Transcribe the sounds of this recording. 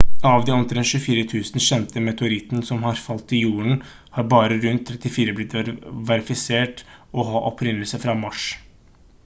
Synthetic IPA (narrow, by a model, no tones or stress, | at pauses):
ɑʋd̪ɛʊnt̪əd̪ɛnʃʉːfiːɾət̪ʰʉːsn̩ɕɛnt̪əmɛt̪ʊɾɪt̪n̩sɔmhɑɾfɑlt̪ɪjuːəɳ̩ | hɑɾbɑːɾəɾʉnt̪ʰːɾɛt̪ːɪfiːɾəblɪt̪ʋɛɾɪfɪseːʈɔɦɑːʔɔpʰɾɪnəlsəfɾɑmɑʂ